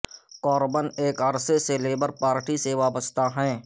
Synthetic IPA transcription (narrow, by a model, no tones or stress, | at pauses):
kɔːɾbəneːkəɾseseleːbəɾpaːɾʈiseʋaːbəst̪aɦɛ̃ː